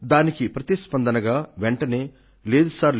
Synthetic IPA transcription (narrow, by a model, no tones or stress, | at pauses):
d̪aːnikipɾɐt̪ispɐnd̪ɐnɐɡaːʋɛɳʈɐneː | leːd̪usaːɾl